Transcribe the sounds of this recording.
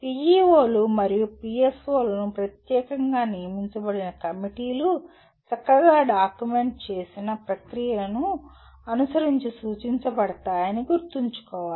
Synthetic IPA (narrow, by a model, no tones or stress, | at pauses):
piːjiːoːlumɐɾijupiːesoːlɐnupɾɐt̪jɛːkɐŋɡaːnijɐmiɲt͡ʃɐbɐɽinɐkɐmiʈiːlu | t͡ʃɐkːɐɡaːɖaːkjume̞ɳʈ̚t͡ʃe̞ːsinɐpɾɐkɾijɐɐnu | ɐnusɐɾiɲt͡ʃisuːt͡ʃiɲt͡ʃɐbɐɽɐt̪aːjɐniɡuɾt̪iɲt͡ʃu̥kɔːʋaːli